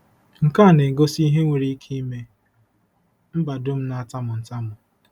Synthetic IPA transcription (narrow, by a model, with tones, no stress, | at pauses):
ŋ̩˨ka˦˨ne˨ɡo˦si˦ɦe˦ŋʷe˨ɾi˦kʰi˦me˦ | m̩˦ba˨dʊ˦m̩˦na˨a˦˨ta˦mʊ˨n̩˨ta˦mʊ˨